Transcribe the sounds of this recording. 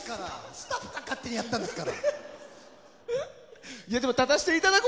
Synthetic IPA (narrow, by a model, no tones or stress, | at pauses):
kaɾasɨ̥t̪aɸɯ̥kakat̪ːe̞ɲ̟ijat̪ːãnd̪esɨkaɾa̰ | ijad̪e̞mot̪ad̪aɕi̥t̪e̞it̪ad̪akɨ